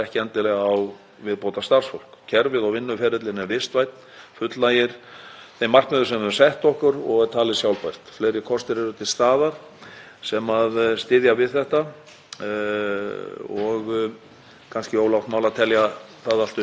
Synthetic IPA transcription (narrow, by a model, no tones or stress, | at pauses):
ɛhcɪɛnt̪ɪlɛɣaw | vɪðpoːwt̪ast̪ar̥sfowl̥kcʰɛɾvɪðawvɪnːʏfɛːɾɪt̪lɪnɛɾvɪst̪vajt̪̚nfʏt̪lajɪɾ̥θejmar̥k̪mɛðʏɾ̥sɛmɛɾ̥sɛht̪ɔhkʏɾɔɣt̪ʰaːlɪsjawlpajr̥t̪flejɾɪkʰɔst̪ɪɾɛɾʏt̪ʰɪlst̪aːðaɾ̥ | sɛmaðst̪ɪːðjavɪðθɛht̪a | ɔɣ | kʰanscɪoːwlawhkt̪mawlat̪ʰɛlja | θaðal̥t̪ʏ